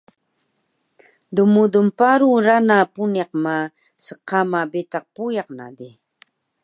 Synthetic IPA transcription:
d̪umud̪umpaɾuɾanapunaqma | səqamabɪt̪ɑq̚pujɑq̚na̰d̪i

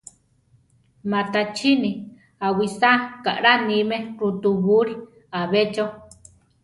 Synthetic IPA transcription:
mat̪at͡ʃʰini | awisaka̰ʔɾanimeɾut̪uβuɾi | aβet͡ʃo

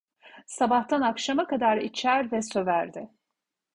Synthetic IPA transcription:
sabaht̪ʰanakʃamakad̪aɾit͡ʃʰæɾvɛsø̞væɾd̪ɪ

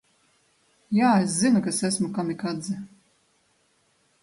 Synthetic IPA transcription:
jaːeszinukasæsmukamikad̪zɨ

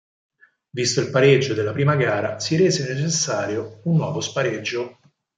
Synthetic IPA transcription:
vist̪oilpaɾed͡ʒːod̪elːapɾiːmaɡaːɾasiɾeːzenet͡ʃesːaːɾjounːwɔːvospaɾed͡ʒːo

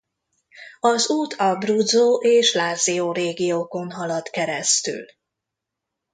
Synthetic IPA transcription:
ɒzuːt̪ʰɒbrud̪zoːʔeːʃlaːzioːɾeːɡijoːko̞nɦɒlɒt̪kɛɾɛst̪y̰l

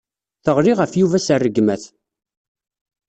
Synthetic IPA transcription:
θəʁɾiʁəfjuvæsərːəɡmæθ

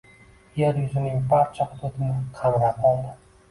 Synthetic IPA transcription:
jeɾjʊzɪnɪŋbaɾt͡ʃʰɒqt̪ʰot̪ʰɪnɪqʰamɾap̚ʰɒlˠd̪ɪ

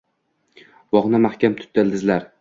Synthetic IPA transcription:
vɒʁnamahkʲamt̪ʰʊ̥t̪̚d̪ɪld̪ɪzlaɾ

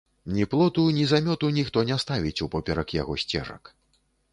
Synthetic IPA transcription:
nʲiplˠɔt̪unʲizamʲɔt̪unʲixt̪ɔnʲɛst̪avʲit͡sʲupɔpʲɛɾɐkja̰ɣɔsʲt͡sʲɛ̰ʐɐ̰k

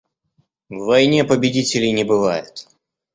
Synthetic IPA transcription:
vːɐjnʲe̞pəbʲɪdʲitʲɪlʲɪjnʲɪbɨvajɪt̪

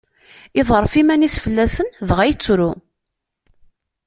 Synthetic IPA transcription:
ɪðˤəɾˤfimænisfəlːæsənðʁæjt͡sːɾu

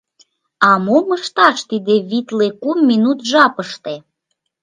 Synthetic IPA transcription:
ɑmuməʃt̪ɑʃt̪id̪eβit̪lekumːinut̪ʒɑpəʃt̪e

